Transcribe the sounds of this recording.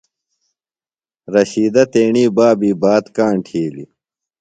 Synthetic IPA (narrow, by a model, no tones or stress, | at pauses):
ɾɐɕiːd̪ɐt̪eːɳiːbaːbiːbaːt̪kaːɳʈʰiːlḭ